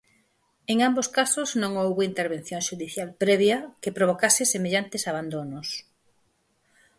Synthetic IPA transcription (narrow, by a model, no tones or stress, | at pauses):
eŋamboskasʊznõŋowβint̪eɾβẽn̟θjoŋʃuðiθjalpɾɛβ̞jɐkepɾoβ̞okasɪsemeʎant̪ɪsaβ̞and̪onʊs